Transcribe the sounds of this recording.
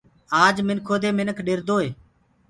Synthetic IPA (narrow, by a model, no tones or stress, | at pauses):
aːd͡ʒmɪnkʰoːd̪eːmɪnəkʰɗɪɾd̪oːɦeː